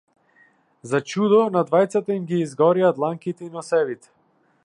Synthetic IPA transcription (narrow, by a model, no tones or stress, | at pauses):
zat͡ʃud̪ɔnad̪vajt̪sat̪aimɡiːzɡɔɾiat̪lˠaŋkit̪ɛinɔsɛvit̪ɛ̥